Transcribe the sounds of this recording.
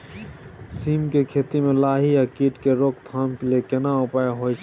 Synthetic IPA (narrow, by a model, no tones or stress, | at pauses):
siːmkekʰeːt̪imẽlaːɦijakiːʈkeɾoːkt̪ʰaːmkɪlekenaopaːeɦoːjt͡ʃ